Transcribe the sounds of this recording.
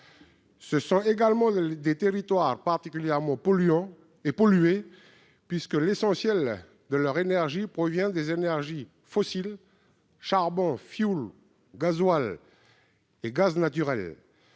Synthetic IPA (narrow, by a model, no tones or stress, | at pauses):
səsɔ̃eɡalmɑ̃d̪et̪eʁit̪waʁpaʁt̪ikʲyljɛʁmɑ̃pɔlyɑ̃ | epɔlye | pɥiskəlesɑ̃sjɛl | d̪əlœʁenɛʁʒipχɔvjɛ̃d̪ezenɛʁʒi | fɔsil | ʃaʁbɔ̃fjul | ɡazwal | eɡaznat̪yʁɛl